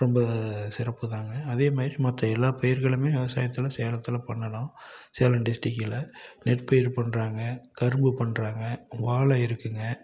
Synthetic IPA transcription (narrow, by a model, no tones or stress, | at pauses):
ɾɔmbɐsɪɾɐpːɯðaːŋɡɐːðeːmaːd̪ɪɾimɐt̪ːɐɛlːaːpɛjɪɾɣɐɭɯmeːʋɪʋɐsaːjɐt̪ːɪlɐseːlɐt̪ːɪlɐpɐɳːɐlãːseːlɐɳɖɪsʈɪkːɪlɐnɛʈpɐjɪɾpɐɳːɾaːŋɡɐkɐɾɯmbɯpɐɳːɾaːŋɡɐʋaːɭɐɪɾɯkːɯŋɡɐ